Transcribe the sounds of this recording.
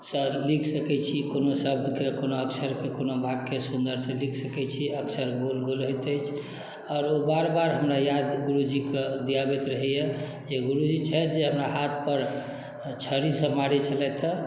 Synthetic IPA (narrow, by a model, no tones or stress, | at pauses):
səlikʰsəkɛt͡ʃʰikonosəb̚d̪ʱkekonoəksəɾkekonobʱaɡkesund̪əɾsẽlikʰsəkɛt͡ʃʰiəksəɾɡolɡolɦot̪ət͡ʃʰ | ɔːɾobaɾbaɾɦəmɾajad̪ɡuɾud͡ʒikd̪ijabɛt̪ɾəɦɛjɛ | d͡ʒeɡuɾud͡ʒit͡ʃʰɛd͡ʒeɦəmɾaɦat̪ʰpəɾ | t͡ʃʰəɾisə̃maɾit͡ʃʰəlɛt̪ʰə